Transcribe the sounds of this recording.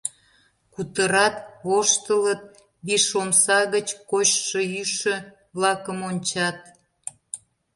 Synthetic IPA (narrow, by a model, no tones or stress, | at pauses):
kut̪əɾɑt̪oʃt̪ələt̪̚ | biʃomsɑɣət͡ɕkoɕʃəyʃø̆ | βlɑkəmonʲt͡ɕɑt̪̚